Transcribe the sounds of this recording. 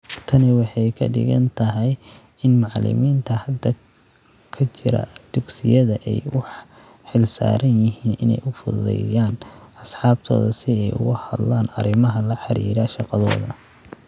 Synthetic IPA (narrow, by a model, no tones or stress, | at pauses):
t̪ʰɐnɪwɑħɑjkʰɐ̰ɖɪ̰ɣɐ̰nt̪ʰɐɦɛjɪnmɑʕlɪ̰miːnt̪ʰɐhɐd̪ɐ | kʰɐt͡ʃʰɪɾɐ̰d̪̥ʊɡsɪjɐðɐʔɛjwʊħħɪlsa̰ːɾɐnjɪɦiːnʔɪnɛ̰jʔʊfʊðlɛ̰jaːnɐsħɑːbt̪ʰɔ̰ːðɐsɪɛjʊ̰ɣʊhɐd̪laːnɐɾɪmɐɦɐlɐħɑɾḭːɾaʃɑqɑðɔ̰ːðɐ